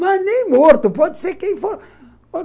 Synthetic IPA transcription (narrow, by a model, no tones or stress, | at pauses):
mɐnẽj̃moɾt̪upɔd̪seɾkẽj̃foɾ | o